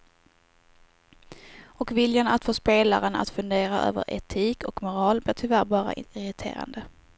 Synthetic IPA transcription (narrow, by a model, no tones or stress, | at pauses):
ɔkvɪljanat̪foːspeːlaɾəna̰t̪fɵnd̪eːɾaʔø̰ːvə̰ɾʔɛ̰t̪ʰiːkɔkmʊɾɑːlblɪːʈ̪ʰʏvæːɾbɑːɾa̰ɪɾɪt̪ʰḛːɾa̰nd̪ə